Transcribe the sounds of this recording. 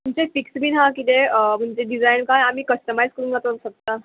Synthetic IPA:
t̪umt͡ɕefiksbiːnɦãkit̪em̤əɳd͡zeɖid͡zajnkãjamiːkəsʈəmajskəɾũnɡat̪osək̚t̪a

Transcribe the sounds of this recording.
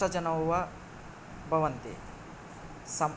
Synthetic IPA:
ɐd͡ʒɐnɐwʋɐ | bʱɐʋɐnt̪ḭ | sɐm

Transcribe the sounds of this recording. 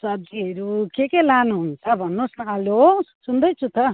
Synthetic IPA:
sʌbd͡ziɦʌɾukekelanuɦunt͡sʰʌbʱʌnːusnaljosund̪ʌjt͡sʰut̪ʌ

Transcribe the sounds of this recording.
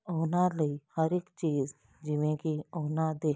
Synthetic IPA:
oːnaləihəɾekt͡ʃiːz | d͡ʒɪʋẽkioːnad̪eː

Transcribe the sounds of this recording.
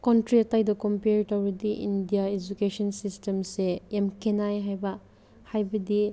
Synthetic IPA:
kontɾiɐtajdɐkompeɾtɐwɾɐdiʔḭndijaed͡ʒukesɔnsistemseemkʰenajɦajbɐ | hajbɐdi

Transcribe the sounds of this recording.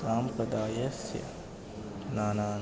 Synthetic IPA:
aːmpɾɐd̪aːjəsjə̰ | naːnaː

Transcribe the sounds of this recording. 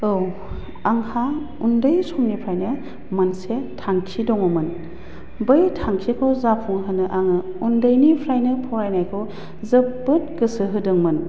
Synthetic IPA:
ɯw | aŋha | undɯjsɔmnipʰɾajnɯ | mɐnsetʰaŋkʰidɔŋɔmɯn | bɯjtʰaŋkʰikʰɔzapʰuŋɦɯnɯʔaŋɯ | undɯjnipʰɾajnɯpʰɔajnajkʰɯw | zɯp̚bɯt̚ɡɯsɯɦɯdɯŋmɯn

